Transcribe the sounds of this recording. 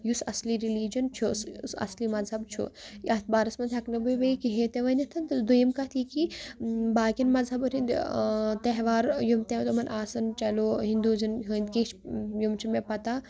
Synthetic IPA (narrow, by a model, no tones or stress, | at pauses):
jusɐ̰sliɾiliːd͡ʒɐnt͡ʃʰussɐ̰slimɐzɦɐbt͡ʃʰṵjɐt̪̚ʰbaːɾɐsmɐnt̪ʲʰɐknɐbujʋɐikiɦeːt̪eʋɐnʲɐt̪ʰɐnt̪d̪ujɐmkɐt̪ʰikibaːkʲɐnmɐzɦɐbuɾʲind̪t̪ɐɦʋaːɾjumt̪et̪umɐnʔaːsɐnt͡ʃɐloːɦĩnd̪uːzɐnɦund̪ket͡ʃjumt͡ʃʰumepɐt̪a